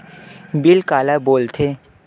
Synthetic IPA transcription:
bɪlkaːlaboːlt̪ʰe

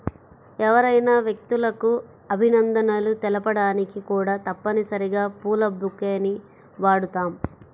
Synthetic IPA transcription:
ɛʋɐɾɐjnaːʋjek̚t̪ulɐku | ɐbʱinɐnd̪ɐnɐlut̪ɛlɐpɐɽaːnikikuːɽaːt̪ɐpːɐnisɐɾiɡaːpuːlɐbukːeːni | ʋaːɽut̪aːm

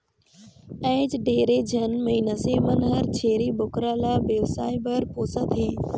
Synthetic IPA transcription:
ɛ̃ːd͡ʑɖeːɾed͡ʑʱɐnmɐɦiːnəseːmɐnɦəɾt͡ɕʰeːɾibʊkɾaːlaːbeːʋsaːibəɾpoːsət̪ɦeː

